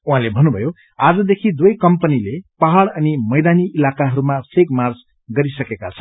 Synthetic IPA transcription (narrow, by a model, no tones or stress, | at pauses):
uɦãlebʱʌnːubʱʌjo | ad͡zʌd̪ekʰid̪wjkʌmpʌnilepaɦaɽʌnimʌjd̪aniʔːlakaɦʌɾumasʰeɡmard͡z | ɡʌɾisʌkekat͡sʰʌ